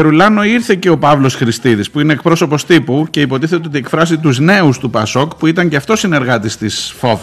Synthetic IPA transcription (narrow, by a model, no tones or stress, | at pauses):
eɾulɐno̞iɾθe̞ce̞o̞pɐvlo̞sxɾist̪iðispuine̞ːkpɾo̞so̞po̞st̪ipuce̞ipo̞t̪iθet̪eot̪iekfɾɐsit̪uzne̞ust̪upɐso̞kpuit̪ɐɲceɐft̪o̞sine̞ɾɣɐt̪ist̪isfo̞v